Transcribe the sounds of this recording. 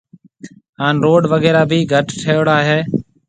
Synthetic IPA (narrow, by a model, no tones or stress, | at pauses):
ɦaːnɾoːɖʋəɣeːɾaːbʱiːɡʱəʈʈʰeːɽaːɦeː